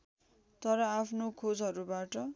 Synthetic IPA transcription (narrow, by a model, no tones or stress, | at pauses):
t̪ʌɾʌapʰnokʰod͡zɦʌɾubaʈʌ